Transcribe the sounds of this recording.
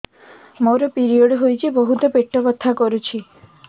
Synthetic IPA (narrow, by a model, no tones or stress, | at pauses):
moɾɔpiɾijoɽɦojt͡ʃʰibɔɦut̪ɔpeʈːɔbɔt̪ʰːakɔɾut͡ʃʰi